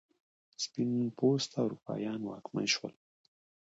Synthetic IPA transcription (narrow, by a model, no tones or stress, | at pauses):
spinunpost̪awɾupɑ̰jɑnwɑkma̰jʃwə̰l